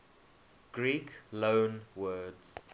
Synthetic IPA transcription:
ɡ̥ɹiːklõʊnwɜːdz̥

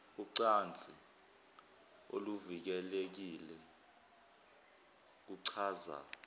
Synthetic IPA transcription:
uǀant͡sʼi | o̰luvik̬ɛlek̬ilɛ | k̬uǀʰaːza̰

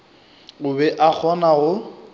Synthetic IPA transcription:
ʊbɛʔak͡xʰɔnaɣʊ

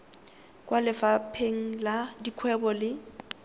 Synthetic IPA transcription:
kʼwʔalɪfapʰeŋ̩ladikʰwɛbɔlɪ

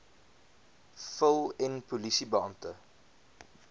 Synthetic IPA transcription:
fəlˠɛnpulisibəɑmtə

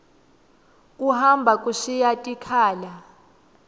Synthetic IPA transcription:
kʼuɦambʱakʼuʃijatʼikʰaːla

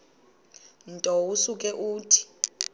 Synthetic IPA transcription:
ntʼɔwusukʼɛʔuːtʰi̥

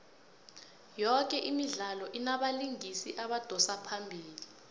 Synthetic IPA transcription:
jɔk̬ʼɛʔimiɮalɔʔinaɓaliŋisiʔaɓad̥ʱɔsapʰambʱiːli

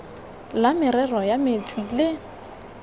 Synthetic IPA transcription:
lamɪɾɛrɔjamet͡sʼilɪ

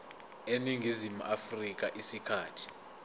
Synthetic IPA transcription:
eniŋɡʱizimuʔafrik̬aʔisikʰaːtʰi̥

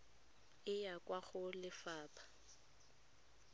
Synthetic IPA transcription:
ɪjakʼwaχʊlɪfaːpʰʼḁ

